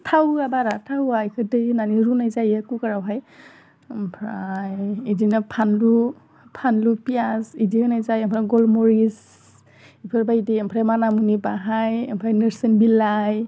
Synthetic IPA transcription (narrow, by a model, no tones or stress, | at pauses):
tʰawabaɾatʰawajkʰɯdɯjnaniɾunajzajakukaɹawɦaj | mpʰɾajidinapʰanlu | pʰanlupiasidihɯnajzajampʰɾaɡɔlmɔɹis | ipʰɯɾbajdɯjɛmpʰɾamanamunibaɦajɛmpʰɾajnɯɾsɯnbilaj